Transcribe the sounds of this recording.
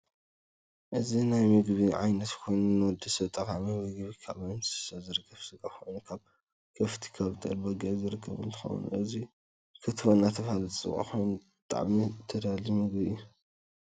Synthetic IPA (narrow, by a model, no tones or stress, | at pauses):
ʔɨzinajmɨɡβiʕa̰jnɐt̪kʰojnɨnːɨwɔd̪ɐsɐβt̪ʼɐχʼaʕmimɨɡβikʰaβajnsɨ̥sɐzɨɾɨkʰːɐfsɨkʼaxojnukʰaβ | kʰɐft̪ʰi̥kʰɐβt̪ʼɐlbɐɡɐzɨɾɨkʰːɐ̰βɨ̰nt̪ʰɨ̥xɐ̰wṵnʔɨzi | kʰɨt̪ʰwonːat̪ʰɐfhalɨt̪ʼt͡sʼɨ̰kʼa̰xojnbɨt̪ʼa̰ʕmit̪ʰɐd̪alimɨɡbiɨjːu